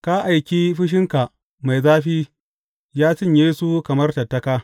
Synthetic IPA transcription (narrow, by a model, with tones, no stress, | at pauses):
ka˦ʔa˨jkʲiː˦ɸɪ˦ʃ̬ɪ˦ŋka˨ʔ | ma˨jzaː˦ɸiː˦ | jaː˦sɪ˦˨ɲjeː˦su˦kɐ˨mɐ˦rtɐ˨tːɐ˦kaː˦